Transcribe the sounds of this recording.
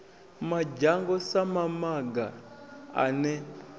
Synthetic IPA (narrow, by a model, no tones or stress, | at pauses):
mad͡ʒaŋɡɔsamamaɡaa̰nɛ